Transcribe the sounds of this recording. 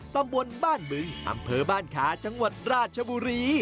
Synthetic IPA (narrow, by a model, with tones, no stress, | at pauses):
t̪a˧mbo˧nbaː˥˩nmɯ˧ŋʔa̰˧mpʰɤː˧baː˥˩nkʰaː˩˦t͡ɕa˧ŋwa˨˩t̪̚ɾaː˥˩t̪̚t͡ɕʰa˧buː˧ɾiː˧